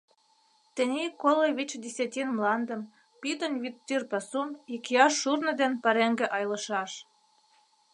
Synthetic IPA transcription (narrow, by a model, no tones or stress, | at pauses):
t̪ɘ̆nʲikolojβʲit͡ɕd̪ʲesʲɑt̪ʲinmlɑnd̪ə̆m | pit̪ə̆nʲβit̪ːyrpɑsumikʲiɑʃːurnɤ̆d̪enpəɾeŋɡĕʔɑjlɤ̆ʃɑʃ